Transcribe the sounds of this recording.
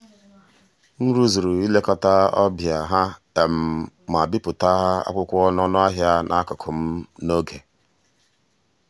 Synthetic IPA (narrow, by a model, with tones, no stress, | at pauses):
n̩˦ɾu˦zu˨ɾu˨i˦le˦kɔ˦ta˦ɔ̰˦bja˨ɦa˦ | e˨m̩˨ma˨bi˦pʊ˨ta˦ɦa˦a̰˦kʷʊ˦kʷʊ˦ɔ˦n˦ɔ˦nʊ˦a˦ɦja˦nʔa˦kʊ˨kʰʊ˨m̩˦no˦ɡe˨